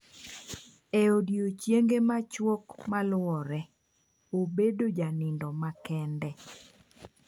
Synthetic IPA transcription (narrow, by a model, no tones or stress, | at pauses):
ɛodjot͡ʃjeŋɡemat͡ʃwɔkmalʊwɔɾɛ | obedod͡ʒanɪndɔmakɛndɛ